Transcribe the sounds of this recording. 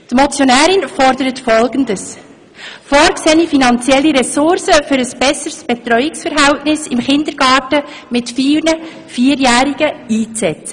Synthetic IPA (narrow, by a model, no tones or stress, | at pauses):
t̪mɔt͡sjonæːɾɪnfɔɾdəɾətfɔlɡəndəs | fɔːɾksɛːnifinɑnt͡sjɛlːiɾɛsʊɾsəfʏɾəsb̥ɛsəɾsb̥ɛt̪ɾœʏɪksfəɾɦɛltnɪsɪmχɪnd̥̪əɾɡ̥ɑːtə | mɪtfiːnə | fiːəɾjæːɾiɡ̥əiːt͡sɛt